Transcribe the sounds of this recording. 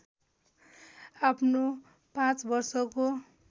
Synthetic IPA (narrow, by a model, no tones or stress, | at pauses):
apʰno | pãt͡sbʌrsʌko